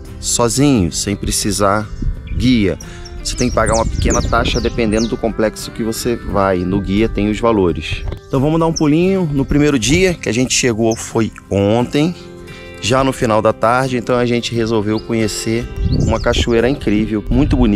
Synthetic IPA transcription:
sɔzĩɲʊsẽj̃pɾesizaɡiɐ̰ | voset̪ẽj̃kɪ̥paɡaɾũmɐpɪ̥kẽnɐt̪aʃɐd̪epẽnd̪ẽnd̪ʊd̪ʊkõplɛksʊ̥kɪvosevajnʊɡiɐt̪ẽj̃ʊzvaloɾɪsẽt̪ɐ̃w̃vɐ̃mʊzd̪aũpulĩɲʊnʊpɾimejɾʊd͡ʒiɐkɪaʒẽnt͡ʃɪ̥ʃeɡofoj | õt̪ẽj̃ | ʒanʊfinawd̪ɐt̪aɾd͡ʒɪẽnt̪ɐ̃w̃ɐʒẽnt͡ʃɪɦezowvewkõɲeseṵ̃mɐkaʃueɾɐĩkɾivewmũj̃t̪ʊbuni

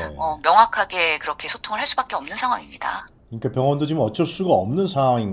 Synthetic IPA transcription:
ʌmjʌŋɦakʰaɡe̞kɯɾʌkʰe̞sʰotʰoŋɯɭɦaɭs͈ubak͈̚e̞ʌmnɯnsʰaŋɦwaŋimɲida̰kɯɲik͈apjʌŋwʌndot͡ɕimʌt͡ɕ͈ʌs͈uɡaʌmnɯnsʰaɦwaŋinɡ

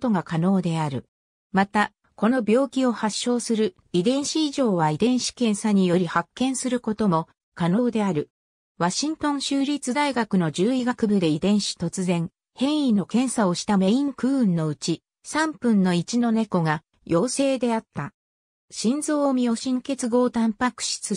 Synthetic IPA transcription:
t̪o̞ɡakano̞ːd̪e̞aɾɯ̟ | mat̪a | ko̞no̞bʲjo̞ːkʲio̞haɕːo̞ːsɨɾɯ̟ | id̪ẽ̞ɰ̃ɕiiʑo̞ːβaid̪ẽ̞ɰ̃ɕi̥kẽ̞ɰ̃saɲ̟ijo̞ɾʲihakːẽ̞ɰ̃sɨɾɯ̟ko̞t̪o̞mo̞ | kano̞ːd̪e̞aɾɯ̟ | βaɕĩnt̪õ̞ɰ̃ɕɨːɾʲit͡sɨd̪aiɡakɯ̟no̞d͡ʑɨːiɡakɯbɯ̟d̪e̞id̪ẽ̞ɰ̃ɕi̥t̪o̞t͡sɨzẽ̞ŋ | hẽ̞ɰ̃ĩno̞kẽ̞ɰ̃sao̞ɕi̥t̪ame̞ĩŋkɯ̟ːɯ̃nːo̞ɯ̟t͡ɕi | sãmpɯ̟̃nːo̞it͡ɕino̞ne̞ko̞ɡa | jʔo̞ːse̞ːd̪e̞at̪ːa | ɕĩnzo̞ːmʲio̞ɕĩŋke̞t͡sɨɡo̞ːt̪ãmpakɯ̟̥ɕi̥t͡sɨ

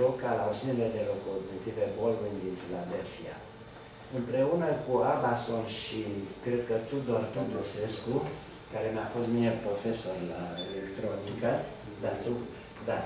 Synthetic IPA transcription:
okalausiniled̪elokoːbekt̪ivebolɡind̪infilad̪elfia̰ | ɨmpɾe̞unəkuamasonʃikɾed̪̚kət̪ud̪oɾt̪od̪osesku | kaɾe̞meafo̞st̪miepɾo̞feso̞ɾlaelekt̪ɾonikə | d̪at̪u | d̪a

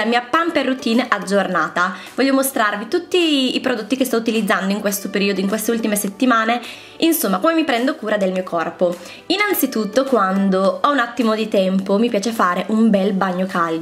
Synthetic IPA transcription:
amiːapamperːut̪iːnʔad͡ʒːornaːt̪avɔʎːomost̪ɾarvit̪ut̪ːiːpɾod̪ot̪ːikest̪ɔut̪ilid̪zːand̪oiŋkwest̪opeɾiːod̪oiŋkwest̪eult̪imeset̪ːimaːne | insomːakomemipɾɛnd̪okuːɾad̪elmiːokʰɔrpo | inant̪sit̪ut̪ːokwand̪oɔunat̪ːimod̪it̪ɛmpomipjaːt͡ʃefaːɾeʔumbɛlbaɲːokʰal

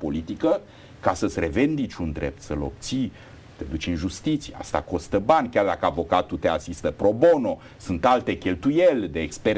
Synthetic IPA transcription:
po̞lit̪ikə | kasəsʲre̞vend̪it͡ʃund̪ɾep̚t̪səlo̞̰p̚t̪si | t̪e̞d̪ut͡ʃɨnʒust̪it̪sijea̰st̪a̰ko̞st̪əbanʲkʲard̪akəavo̞kat̪ut̪e̞asist̪əpɾo̞bo̞no̞ | sunt̪alt̪e̞kʲe̞lt̪ujelʲd̪eːkspe

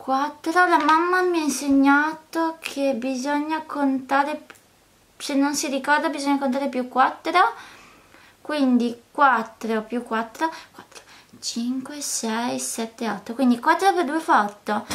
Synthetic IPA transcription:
kwat̪ːɾolamamːamiainseɲːat̪okʰebizoɲːakʰont̪aːɾe | senːonsiɾikɔrd̪abizoɲːakont̪̬aɾepjukːwat̪ːɾo | kwind̪ikwat̪ːɾeopjukːwat̪ːɾokwḁt̪ːɾo̥ | t͡ʃiŋkwesɛjsɛt̪ːeɔt̪ːokwind̪ikwat̪ːɾoperd̪uefɔt̪ːo

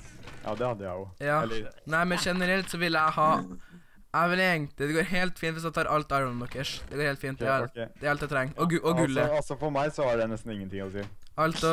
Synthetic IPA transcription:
jɑ̰ːd̪ɛhɑd̪ːəjæ̰ɪjʊjɑːnæɪmɛnʂɛnəɾɛlt̪sɔʋɪlːəæhɑ | æʋɪlɛŋt̪əd̪ɛɡoːɾɦeːlt̪fint̪ʋɪsæt̪ʰɑːɾʔɑlt̪ɑɾənmd̪ɔkːəʂd̪̥ɛɡoːɾheːlt̪fiːnt̪d̪ɛːɾɑlt̪ːæɪt̪ɾɛŋːɔʔɔɡʉlːəɑsɔfɔɾmæɪsɔæɖɛnɛst̪n̩ɪŋːənt̪ɪŋːɔsiːɑlt̪

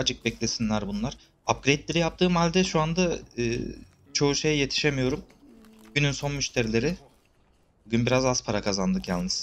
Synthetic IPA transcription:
ad͡ʒɯk̚bɛclʲe̞sinlʲæɾbunlˠaɾ̥ | ap̚ɡɾejt̪lʲeɾijap̚t̪ʰɯːmhalʲd̪ɛʃuand̪aɯ̰ː | t͡ʃʰo̞uʃejje̞t̪ʰi̥ʃemijo̞ɾum | ɟ̥ynynso̞nmyʃt̪ʰe̞ɾilʲe̞ɾɪ | buɟynbiɾazazpʰaɾakʰazand̪ɯkjalˠnɯz̥

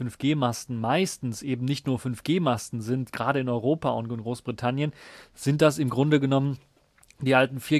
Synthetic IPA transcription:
ʏnfɡ̥eːmastn̩maɪstn̩sʔeːbm̩nɪçtnuːɐfʏnfɡ̥eːmastn̩zɪntɡ̥ʁaːɾəɪnɔʏʁoːpaʊ̰ntnɡ̥ʁoːsb̥ʁitʰanjənz̥ɪnt̚d̥asɪmɡʁʊndəɡənɔmən | d̥iːʔaltn̩fiːɐ

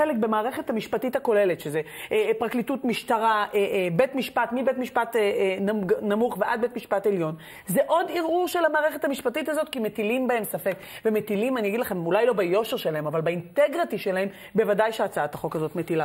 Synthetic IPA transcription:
elek̚bemaːʁe̞χe̞thamiʃpatithako̞le̞letʃezepʁaklitutmiʃtaʁaʔebe̞tmiʃpatmibetmiʃpatːnanamuχveʔad̪̚be̞t̪miʃpate̞ljo̞n | zeʔo̞diʁʔuʃelamaːʁe̞χe̞thamiʃpatitazo̞tkime̞tilimbahe̞msafe̞kve̞metilimaniaɡidlaχe̞mulajlo̞bajo̞ʃeʁʃe̞laɦe̞mavalbaint̪eɡʁitiʃelaɦem | be̞vadajʃeat͡saat̪aχo̞kazo̞tmetila

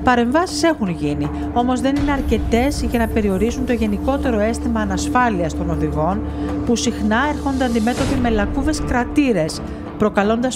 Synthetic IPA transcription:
pɐɾe̞ɱvɐsi̥se̞xunʝini | o̞mo̞zðe̞nine̞ɐɾce̞t̪e̞zʝɐnɐpe̞ɾio̞ɾisunt̪o̞ʝe̞niko̞t̪e̞ɾo̞e̞st̪imɐːnɐsfɐliɐst̪o̞no̞ðiɣo̞n | pusixnɐe̞ɾxo̞nd̪eɐnd̪ime̞t̪o̞pime̞lɐkuve̞skɾɐt̪iɾe̞s | pɾo̞kɐlo̞nd̪ɐs

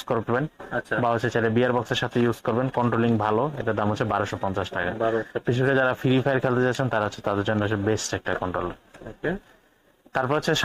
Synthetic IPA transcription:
koɾbenabaɦot͡ɕʰet͡ɕelebiaɾbɔkseɾʃat̪ʰejuzkoɾbenkɔɳʈɾoliŋbʱaloḛʈad̪amɦotːt͡ɕʰebaɾoʃopɔnt͡ɕaʃʈakaakit͡ɕʰubiɾad͡ʑaɾafiɾifʰajɾkʰɛlt̪et͡ɕat͡ɕʰent̪aɾaɦotːɕʰe̥t̪ad̪eɾd͡ʑonːeoebesʈɛk̚ʈakɔɳʈɾo̰leke | t̪aɾpɔɾeott͡ɕʰeʃ

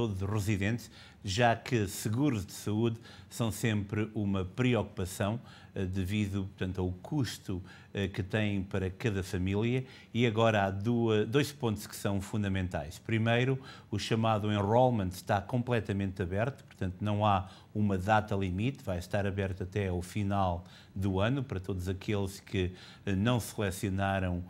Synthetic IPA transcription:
t̪oðuzuʁɨziðẽnt̪ʃ | ʒakɨsɨɣuɾuʒd̪ɨsɐuð | sɐ̃w̃sẽmpɾɨʔumɐpɾiɔku̥pɐsɐ̃w̃ | ɛd̪ɨviðupuɾt̪ɐ̃nt̪aukʰuʃt̪u | ɛkɨt̪ɐ̃j̃pɐɾɐkɐðɐfɐmilˠjɐ | iɐɣɔɾɐaðuɐd̪ojʃpõnt̪u̥ʃkɨ̥sɐ̃w̃fũnd̪ɐmẽnt̪a̰jʃpɾimɐjɾuuʃɐmaðuẽʁolˠmɐ̃nʃt̪akõmplˠɛt̪ɐmẽnt̪ɐβɛɾt̪u̥pʊɾt̪ɐ̃nt̪unɐ̃w̃a | umɐðat̪ɐlˠimit̪vajʃt̪aɾɐβɛɾt̪ɐt̪ɛafinalˠ | d̪uɐnupɐɾɐt̪oðuzɐkʰelˠʃkʰɨ | ɛnɐ̃w̃sɨlˠɛsiunaɾɐ̃w̃

